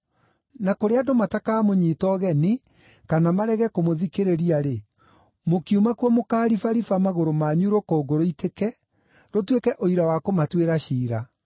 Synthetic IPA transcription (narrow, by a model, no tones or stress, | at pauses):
nakoɾeadomatakaːmoɲiːtɔɣɛni | kanamaɾɛɣɛkomoðikeɾeɾiaɾe | mokiumakwɔmokaːɾifaɾifamaɣoɾomaɲuɾokoːɡoɾoitʰekɛ | ɾotwekɛʔoiɾawakomatweɾaɕiːɾa